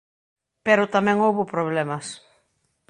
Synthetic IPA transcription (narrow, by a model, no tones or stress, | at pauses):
peɾʊt̪amɛ̃ŋowβʊpɾoβlɛmɐs